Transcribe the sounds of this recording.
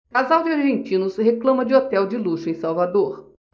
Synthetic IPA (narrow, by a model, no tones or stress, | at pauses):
kazawd͡ʒɪaɾʒẽnt͡ʃĩnʊsheklɐ̃mɐd͡ʒɪot̪ɛwd͡ʒɪluʃʊẽsawvad̪oɾ